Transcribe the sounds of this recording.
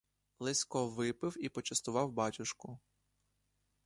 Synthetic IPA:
lˠɪsʲkɔʋɪpɪwipɔt͡ʃɐst̪ʊʋɑwbɑtʲʊʃkʊ

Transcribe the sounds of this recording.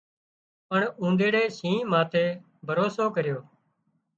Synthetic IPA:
pəɳũːnɖ̪eːɽeːsĩːmãːt̪ʰeː | bʱəɾoːsoːkəɾjoː

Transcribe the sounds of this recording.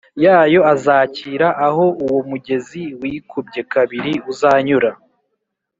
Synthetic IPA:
jaːjo̞azaːciːɾaʔaɦo̞uwomuɟe̞ziwiːkub̚ɟe̞kaβiɾiuzaːɲuɾa

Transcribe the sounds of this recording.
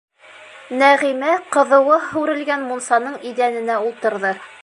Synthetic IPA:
næʁimæqɤ̆ðɤ̆wɤhʉɾɘ̆lɡænmunsɑnɤɴid̪ænɘ̆næulˠt̪ɤ̆ɾðɤ

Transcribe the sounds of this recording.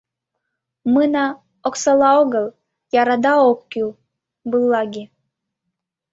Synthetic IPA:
mɨnɑ | oksɑlˠɑoɣəlˠ | jɑɾɑd̪ɑokkʲy | bɨlˠːɑɡʲi

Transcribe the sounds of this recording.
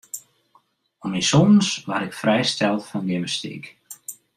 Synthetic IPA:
ɔmisɔnn̩sʋaɾɪkfrɛjst̪ɛlˠfɔndiməstḭːk

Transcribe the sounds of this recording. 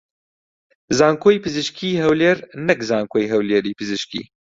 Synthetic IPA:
zaːŋkʰoːjpɨzɨʃkʰiːɦɛwleɾnɛkzaːŋkʰoːjɦɛwleːɾiːpɨzɨʃkḭː

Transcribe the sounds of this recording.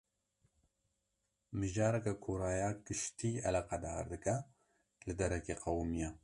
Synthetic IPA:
mɨʒaːɾɛkɛkʰoːɾaːjaːkɨʃt̪iːɛlaqɑd̪aːɾd̪ɨkɛ | lɨd̪ɛɾɛkeːqɐwmijɛ

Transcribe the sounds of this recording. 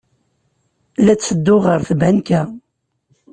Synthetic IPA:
læt͡sːəd̪ːʊʁəɾθəbænkæ

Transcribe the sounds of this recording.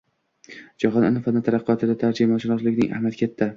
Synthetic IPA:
d͡ʒɒɦɒnɪ̰nɪfanat̪ʰaɾɑqːɨɒt̪ʰɪd̪at̪ʰaɾd͡ʒimaʃɪnɒslɪɡʲnɪ̰ŋʔa̰hmat̪̚kʲʰet̪ʰːa

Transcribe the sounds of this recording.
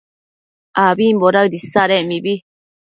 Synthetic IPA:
abiːmboɾadisaɾɛmibi

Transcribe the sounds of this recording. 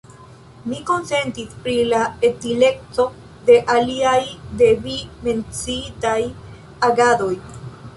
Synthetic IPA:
miko̞nse̞ntispɾilaetile̞k̚to̞ | de̞ʔaliajde̞vime̞nt͡sitaj | aɡado̞j

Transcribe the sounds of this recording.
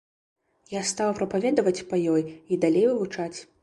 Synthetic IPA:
jast̪awpɾɐpavʲɛd̪ɐvɐt͡sʲpɐjɔjid̪alʲejvɨvut͡ʂat͡sʲ

